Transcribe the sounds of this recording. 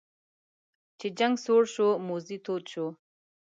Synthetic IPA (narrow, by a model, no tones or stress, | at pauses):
t͡ʃed͡ʒaŋɡsoːɾʃomoːzit̪ʰoːt̪ʃo